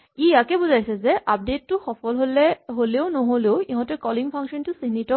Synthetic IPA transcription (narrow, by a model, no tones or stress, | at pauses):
iakebuzajsʰezeʔap̚detːuxɔfɔlɦoleɦoleoʊnɔɦoleoiɦɔ̃tekɔliŋpʰaŋkʃɔntusiɦnitɔ